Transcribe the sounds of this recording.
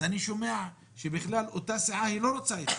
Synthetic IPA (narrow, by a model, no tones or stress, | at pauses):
aniʃomeaʕ | ʃebiχlalot̪asiʕahilo̞ɾot͡saet̪